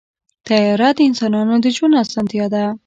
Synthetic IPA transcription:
t̪ajɑɾad̪əɪnsɑnɑnod̪əd͡ʒwanasɑnt̪jɑd̪a

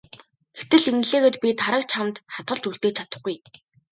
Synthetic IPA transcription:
ɡet̪ɘ̆ɮiŋɘ̆ɮeːɣeːt̪pʲit̪ʰaɾə̆k̚t͡ɕʰamt̪χat̪ɢə̆ɮt͡ɕuɬt̪eːt͡ɕʰat̪ə̆χɡuj

